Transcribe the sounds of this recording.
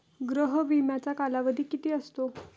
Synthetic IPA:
ɡɾəɦəʋimjat͡sakalaʋəd̪ʱiːkit̪iːəst̪o

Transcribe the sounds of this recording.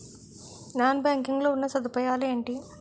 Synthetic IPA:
naːnbjaːŋkiŋɡlo̞ːunːɐsɐd̪upɐjaːlueːɳʈi

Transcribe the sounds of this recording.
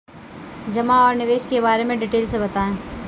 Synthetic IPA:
d͡ʒɐmaɔːɾnɪʋeːʃkebaːɾemẽɖɪʈeːlsebɐt̪aːẽː

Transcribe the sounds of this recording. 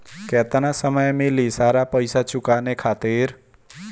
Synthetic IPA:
kɛːt̪ənasəməjmɪlisaːɾapəjsat͡ʃʊkaːnekʰaːt̪ɪɾ

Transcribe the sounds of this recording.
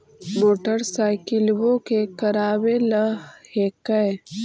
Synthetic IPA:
moːʈəɾsaːɪkɪlwõkekɐɾaːweləhekəj

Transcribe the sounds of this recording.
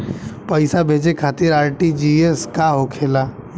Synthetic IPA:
pəɪsabʱeːd͡ʒekʰaːt̪ɪɾaːɾʈid͡ʒieskaɦokʰeːla

